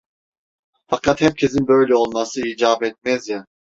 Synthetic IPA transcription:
fakʰat̪hɛɾ̚cʲʰɛzinbøjlɛolˠmasɯiːd͡ʒaːbɛt̪̚mɛzja

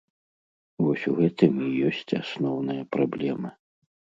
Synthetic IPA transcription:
vɔsʲuɣɛt̪ɨmijɔsʲt͡sʲasnɔwnɨjɐpɾablʲɛmɨ

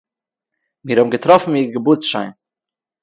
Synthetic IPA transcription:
miːɾhɔʊbm̩ɡətɾɔfn̩iːɾɡəbuːt͡sʃa̰ɪn

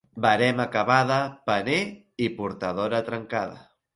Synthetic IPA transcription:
baɾɛmakaβaðəpəne | ipuɾt̪aðoɾət̪ɾəŋkaðə̰

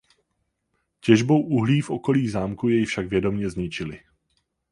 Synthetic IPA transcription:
cɛʒbo̞wʔuɦliːfʔo̞ko̞liːzaːmkujɛjfʃaɡvjɛdo̞mɲɛzɲɪt͡ʃɪlɪ

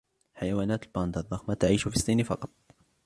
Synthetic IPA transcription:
ħajawaːnaːt̪lbɑnd̪ɑðˤːɑxmat̪aʕiːʃfisˤːiːnfɑqɑt̪̚ˤ

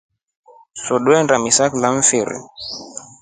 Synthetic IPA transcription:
sɔɗwɛndamisaklaɱ̩fiɾḭ

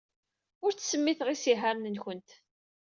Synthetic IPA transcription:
ʊɾt͡sːsəmːiθʁisiɦaɾnənçənt̪

